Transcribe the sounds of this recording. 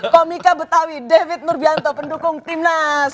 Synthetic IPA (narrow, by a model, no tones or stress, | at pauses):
komikabət̪awidefɪt̪̚nʊrbiant̪ɔpəndukʊŋt̪ɪmnas